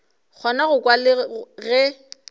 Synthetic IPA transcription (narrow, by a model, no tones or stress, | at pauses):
k͡xʰɔnaɣʊkʼwalɪɣɛ